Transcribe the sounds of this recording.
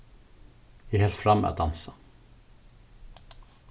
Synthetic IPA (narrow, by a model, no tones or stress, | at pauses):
jæhɛːlt̪fɾamːḛʔat̪̚d̪ansa